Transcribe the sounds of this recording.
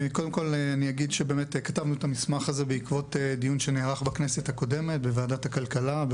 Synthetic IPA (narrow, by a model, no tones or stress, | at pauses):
kod̪emko̞lanijaɡidʃebeːme̞tekatavnuetamismaχaze̞beikvo̞tedijunʃeneːʁaχbakne̞sethako̞de̞me̞t̚beveadathakalkalab